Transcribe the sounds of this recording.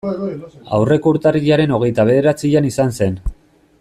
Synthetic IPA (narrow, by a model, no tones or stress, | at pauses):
a̰wre̞kouɾt̪ariʎaɾe̞no̞ɣ̞e̞jt̪aβ̞e̞ðe̞ɾat͡siʎanisanse̞n